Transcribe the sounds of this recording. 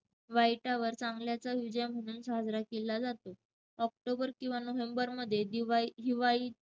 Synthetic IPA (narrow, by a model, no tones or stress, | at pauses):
ʋajʈaʋəɾt͡saŋɡljat͡saʋid͡ʑəjm̤əɽ̃uːnsaɦəd͡zɾakelːad͡zat̪o | ɔk̚ʈobəɾkĩw̃ʋanoʋembəɾməd̪ʱːjed̪iʋɦiʋaɭiː